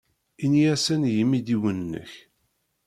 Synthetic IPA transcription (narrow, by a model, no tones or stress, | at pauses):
injæsənjəmːid̪iwənnːə̰ç